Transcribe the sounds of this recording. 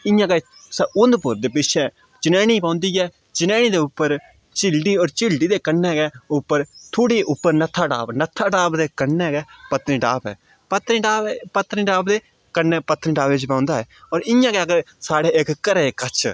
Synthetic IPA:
ɪjãːkeː | səʊnd̪pʊɾd̪eːpɪʃɛː | t͡ʃɪnɛːɽ̃iːpãːʊnd̪iːɛː | t͡ʃɪnɛ̃ːɽ̃iːd̪eːʊpːəɾ | t͡ʃɪlɖiːɔːɾt͡ʃɪlɖiːd̪eːkənːɛ̃ːɡɛːʊpːəɾt̪ʰoːɽiːʔʊpːəɾnət̪ʰːaːʈa̰ːpnət̪ʰːaːʈaːpd̪eːkənːẽːɡɛːpət̪ɾĩːɖaːpɛ̰ː | pət̪nĩːɖaːbpət̪nĩːɖaːpd̪eː | kənɛːpət̪ːniːɖaːbʋɪt͡ʃpãːʊnd̪aːɦɛːɔːɾɪjãːkeəɡəɾ | saːɽeːɪkkəɾeːkət͡ʃʰ

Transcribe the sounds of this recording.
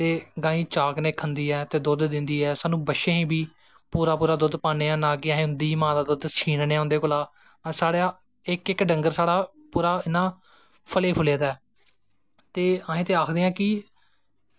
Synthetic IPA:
t̪eːɡãːĩːt͡ʃaːkneːkʰənd̪iːɛːt̪eːd̪ʊd̪d̪ɪnd̪iːɛːsaːnũːbəʃẽːɦĩːbʱiː | puːɾaːpuːɾaːd̪ʊd̪paːneːãːnãːkɪəɦẽːʊ̃nd̪iːmãːd̪aːd̪ʊd̪t͡ʃʰiːnneːaːɦʊnd̪eːkʊːlaː | saːɽaː | ɪkɪkɖəŋɡəɾsaːɽaː | puːɾaːɪnãː | pʰəleːpʰʊleːd̪aɛː | t̪eːəːɦẽːt̪eːaːkʰd̪eːjãːkɪ

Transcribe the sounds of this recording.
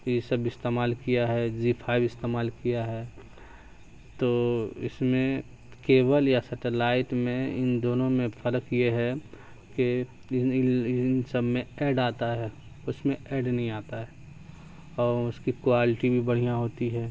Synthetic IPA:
jesəbɪst̪eːmaːlkijaɦɛd͡ʒipʰaːɪbɪst̪eːmaːlkijaɦɛː | t̪oːɪsmẽ | keːbəljasɐʈelaːɪʈmẽɪ̰nd̪oːnõmẽpʰəɾəkjeɦɛ | ke | nsəbʱmẽɛːɖaːt̪aɦɛː | ʊsmẽʔɛːɖnɐɦĩaːt̪aɦɛː | ɔːʊskikwaːlɪʈibʱibɐɽ̤ijãɦoːt̪iɦɛː

